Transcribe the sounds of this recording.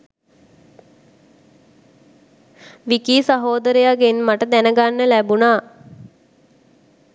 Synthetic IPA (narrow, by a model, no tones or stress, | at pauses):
ʋikiːsaɦoːd̪əɾəjaɡenmaʈəd̪ænəɡanːəlæbunaː